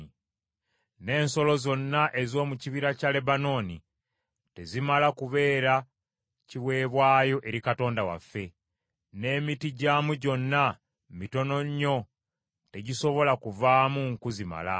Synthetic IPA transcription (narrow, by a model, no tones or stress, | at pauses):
ne̞ːnso̞lo̞zo̞nːaʔe̞zo̞ːmuciβiɾacale̞bano̞ːni | te̞zimalakuβe̞ːɾa | ciwe̞ːβwaːjo̞ʔe̞ɾikato̞ːndawa̰fːe̞ | ne̞ːmitiɟaːmuɟo̞nːa | mito̞no̞ɲːo̞ | te̞ɟiso̞βo̞lakuvaːmuŋkuzima̰la̰